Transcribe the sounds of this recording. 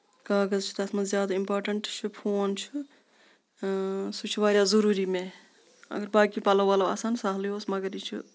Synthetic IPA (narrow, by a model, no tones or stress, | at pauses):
kaːɡəzt͡ʃʰu̥t̪ɐsmɐzjaːd̪aimpoːɾʈəɳʈt͡ʃʰupʰoːnt͡ʃʰu | sut͡ʃʰʋaːɾjazəɾuːɾimẽ | ɐ̰ɡəɾbaːkipalɐʋaːloa̰ːsaːnsaɦljosmɐɡəɾit͡ʃʰṵ